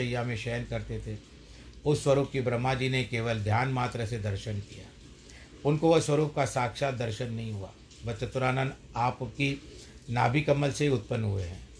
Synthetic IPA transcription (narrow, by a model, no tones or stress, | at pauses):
əjamẽʃɛːnkɐɾt̪et̪ʰe | ʊsːwɐɾuːpkibɾɐmːad͡ʒiːnekeːʋəld̪ʱjaːnmaːt̪ɾəsed̪ɐɾʃənkijaː | ʊnkoʋoswəɾuːp̚kasaːkʃaːt̪̚d̪ɐɾʃənːɐɦĩɦua̰ː | ʋɐtːt͡ʃət̪ʊɾaːnən | aːpkinaːbʱikɐmːəlseɦiʊt̪̚pənːɦueɦɛ̰̃ː